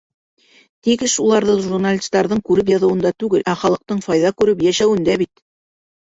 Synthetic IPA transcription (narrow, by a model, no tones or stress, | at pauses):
t̪ikɘʃulˠɑɾðɤʒurnalʲist̪ɑɾðɤɴkʉɾɘp̬jɑðɤ̆wɤ̆nd̪ɑt̪ʉɡɘlʔæχɑlˠɤ̆q̚t̪ɤɴfɑjðɑkʉɾɘpjæʃæwɘ̆nd̪æβit̪